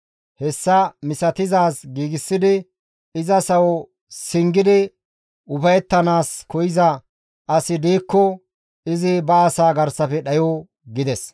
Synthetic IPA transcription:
hɛsːɐmɪsɐt̪ɪzaːsɡiːɡɪsːɪd̪ɪ | ɪzɐsɐwɔ | sɪŋɡɪd̪ɪ | ʊfɐjɛt̪ːɐnaːskɔjɪzɐ | ʔɐsɪd̪iːkːɔ | ɪzɪbɐɐsaːɡɐɾsɐfɛɗɐjoː | ɡɪd̪ɛs

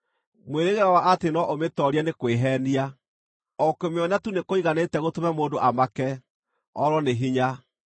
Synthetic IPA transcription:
mweɾeɣeɾawaʔatenɔʔometɔɾianekweɦɛnia | ɔkemeɔnatunekoiɣanetɛɣotomɛmoːdoʔamakɛ | ɔɾɔneɦiɲa

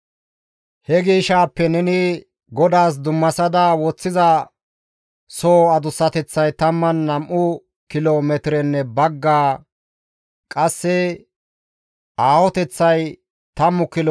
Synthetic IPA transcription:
hɛɡiːʃaːpːɛnɛnɪ | ɡɔd̪aːs̬d̪ʊmːɐsɐd̪ɐwɔt͡sːɪzɐ | soːɐd̪ʊsːɐt̪ɛt͡sːɐjt̪ɐmːɐnːɐmʔʊ | kɪloːmɛt̪ɪɾɛnːɛbɐɡːaː | kʼɐsːɛ | ʔaːwɔt̪ɛt͡sːɐj | t̪ɐmːʊkɪl

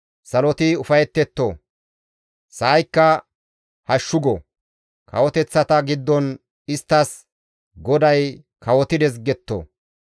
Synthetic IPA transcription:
sɐlɔt̪ɪʊfɐjɛt̪ːɛt̪ːo | sɐːjkːɐ | hɐʃːʊɡɔ̰ | kʰɐ̰wɔt̪ɛt͡sːɐt̪ɐɡɪd̪ːɔn | ɪst̪ːɐs | ɡɔd̪ɐj | kʰɐwɔt̪ɪd̪ɛs̬ɡɛt̪ːo̰ː

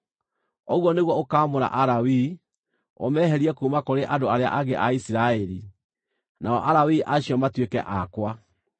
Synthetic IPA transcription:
ɔɣwɔneɣwɔokaːmoɾa̰ʔaɾawi | o̰mɛːɦɛɾiɛkuːmakoɾeʔadoaɾea̰ʔaɣeʔaisiɾaɛɾi | naɔ̰ʔaɾawiʔaɕiɔmatwekɛ̰ʔakwa

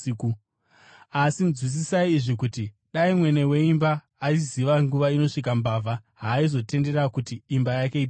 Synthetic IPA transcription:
iku | asinzwis̬isaiːʐikuti | ɗaimwe̞ne̞we̞imbaː | iziʋaŋɡuʋaino̞ʂik̬ambaːvaɦaːizo̞te̞nde̞ɾakutiːmbajake̞ip

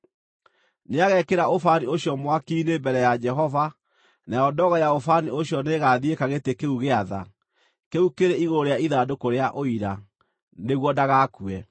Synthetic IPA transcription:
neaɣɛkeɾaofanioɕjɔmwakinembɛɾɛjad͡ʒɛɦɔva | najɔdɔɣɔjaofanioɕjɔneɣaðiekaɣetekeuɣeaða̰ | keukeɾeiɣooɾeaiðaːdokoɾeaʔoiɾa | neɣwɔdaɣakuɛ

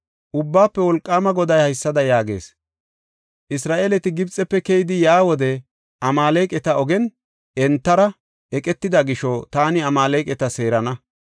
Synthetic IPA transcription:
ʔʊbːaːpːɛwɔlkʼːaːmɐɡɔd̪ɐjhɐjsːɐd̪ɐjaːɡe̞̰ːs | ʔɪsɾaːʔeːlɛt̪ɪɡɪbt͡sʼɛpːɛkɛjɪd̪ɪjaːwɔd̪ɛ | ʔɐmaːlejkʼɛt̪ɐɔɡɛn | ɛnt̪ːɐɾɐ | ʔɛkʼɛt̪ːɪd̪ɐɡɪʃɔt̪aːnɪɐmaːlejkʼɛt̪ɐse̞ːɾɐnɐ

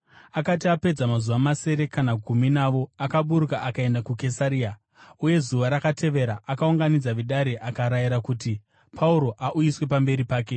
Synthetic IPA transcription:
akat̬iape̞d͡zamazuʋamase̞ɾe̞kanaɡʱuminaʋo̞akaɓuɾukaʔakae̞ndakuke̞saɾiːa | uje̞zuʋaɾakatʰe̞ʋe̞ɾaʔakauŋɡanid͡zaʋiɗaɾiʔakaɾaiɾakuti | pʰauɾo̞ʔaʔujiswe̞pambe̞ɾipaːke̞

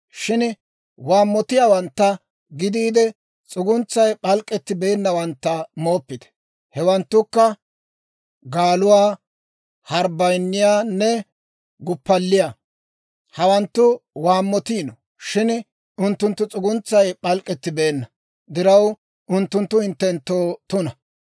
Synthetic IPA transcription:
ʃɪn | waːmːɔt̪ɪjaːwɐnt̪ːɐ | ɡɪd̪iːd̪ɛ | t͡sʼʊɡʊnt͡sːɐjpʼɐlkʼːɛt̪ːɪbe̞ːnːɐwɐnt̪ːɐmoːpːɪt̪ɛ̥ | hɛwɐnt̪ːʊkːɐ | ɡaːlʊwaː | hɐɾbɐjnːɪjaːnːɛ | ɡʊpːɐlːɪja | hɐwɐnt̪ːʊwaːmːɔt̪iːnɔ | ʃɪn | ʊnt̪ːʊnt̪ːʊt͡sʼʊɡʊnt͡sːɐjpɐlkʼɛt̪ːɪbe̞ːnːɐ | d̪ɪɾɐw | ʊnt̪ːʊnt̪ːʊhɪnt̪ːɛnt̪ːoːt̪ʊnɐ

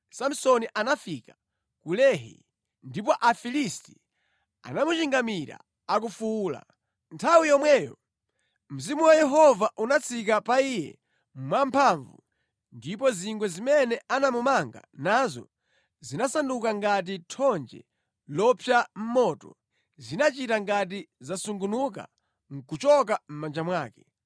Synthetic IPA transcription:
sam̩sɔniʔanafika | kulɛɦḭ | ndipɔʔafilisti̥ | a̰namut͡ʃiŋɡamiɾa̰ | ak̬ufuːla̰ | ntʰawijɔmwɛːjɔ̰ | m̩zimuwajɛɦɔvaʔunat͡sʰikapaijɛ̰ | mwampʰaɱvṵ | ndip̬ɔziŋɡwɛzimɛnɛʔanamumaŋɡa̰nazɔ̰ | zinasandukaŋɡat̬itʰɔnd͡ʒɛ̰ | lɔpʰjam̩mɔːtɔ̰ | zinat͡ʃitaŋɡat̬izasuŋɡunuk̬a̰ | ŋ̩kut͡ʃɔk̬am̩mand͡ʒamwaːkɛ

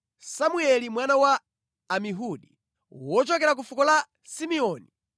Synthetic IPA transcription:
samuɛlimwanawaː | miɦuɗi | wɔt͡ʃɔkɛɾak̬ufukɔla | simiɔːni

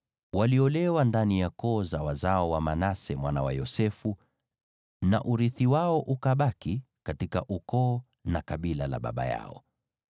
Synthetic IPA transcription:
waliɔlɛwandanijakɔːzawazaɔwamanasɛmwana̰wa̰jɔsɛfu | na̰ʔuɾiθiwaɔʔukaɓaki | katikaʔukɔː | nakaɓilala̰ɓa̰ɓa̰ja̰ɔ̰

